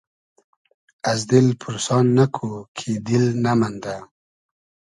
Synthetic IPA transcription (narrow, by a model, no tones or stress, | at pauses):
azd̪ɪlpʰʊɾosɑnːakʰukʰed̪ɪlnamand̪a